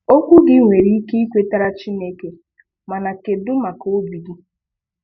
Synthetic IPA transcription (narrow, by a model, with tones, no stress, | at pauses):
o˦kʷu˦ɡɪ˦ŋʷe˨ɾi˦i˦ke˦i˦kʷe˦ta˦ɾa˦t͡ʃi˦ne˦ke˨ | ma˨na˨ke˨dʊ˦ma˨ko˦bi˨ɡi˦